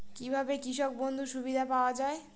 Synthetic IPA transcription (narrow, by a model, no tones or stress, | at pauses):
kibʱabekɾiʃɔk̚bond̪ʱuʃubid̪ʱapaoad͡ʑae